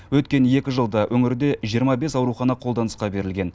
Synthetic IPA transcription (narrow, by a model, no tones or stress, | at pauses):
wɵt̪kʲe̞nje̞kʲɪʒəlˠd̪ɑwʔɵŋɪɾd̪e̞ʒijəɾmɑbe̞sɑwɾuχɑnɑqʰolˠd̪ɑnəsqɑbe̞ɾɪlɡʲe̞n